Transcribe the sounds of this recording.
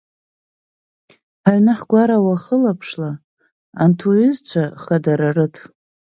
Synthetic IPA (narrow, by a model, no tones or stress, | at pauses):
ħaɥnɨħɡʷaɾawaχəlapʰʂla | antʰuɪzt͡ɕʷʰaχadaɾarɨtʰ